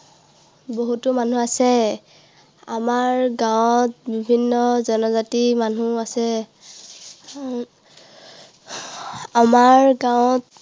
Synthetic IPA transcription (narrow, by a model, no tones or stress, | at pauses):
boɦutʊmanuasɛ | amaɹɡãwt̚bibʱinːɔzɔnɔzatimanuasɛ | amaɹɡawt